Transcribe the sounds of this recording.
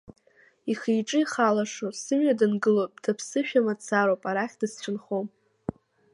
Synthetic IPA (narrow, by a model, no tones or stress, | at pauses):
iχejʈ͡ʂʼɨiχalaʂosɨmɥadɨnɡɨlop̚ʼd̥apʰsɨʃᶣamat͡sʰaɾowpʼaɾaχʲd̥ɨst͡ʃʷʰɨnχom